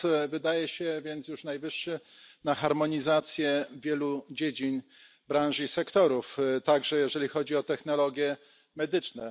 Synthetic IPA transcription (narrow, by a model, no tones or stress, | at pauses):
vɘd̪ajɛɕɛvʲjɛnt̪sjuʂnajvɘʂːɘnaxaɾmɔɲizat̪sʲjɛvʲjɛlud͡ʑed͡ʑin | bɾãñʐisɛkt̪ɔɾuft̪aɡʐɛjɛʐɛlʲixɔd͡ʑiɔt̪ɛxn̪ɔlɔɡʲjɛ | mɛd̪ɘt͡ʂnɛ